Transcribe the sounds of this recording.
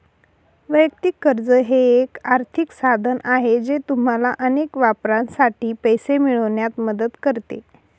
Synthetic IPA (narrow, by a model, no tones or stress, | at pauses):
ʋəjəkt̪ikːəɾd͡zəɦeːkaɾt̪ʰiksad̪ʱənaɦed͡ʑet̪um̤alaʔənekʋapɾãnsaʈiːpəjsemiɭəʋɳjat̪məd̪əd̪kəɾt̪ḛ